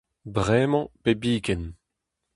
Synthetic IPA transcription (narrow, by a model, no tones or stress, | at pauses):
bʁɛːmɑ̃pebiːɡɛn